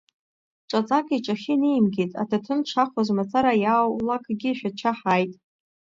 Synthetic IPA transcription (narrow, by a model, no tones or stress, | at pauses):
ʈ͡ʂʷʼat͡sʼakʼiʈ͡ʂʼaχʲinejmɡʲetʼa̰tʰatʰɨnʈ͡ʂʰaχʷazmat͡sʰʼaɾajawlakʰʼɡʲiʃᶣat͡ʃʰaħajtʼ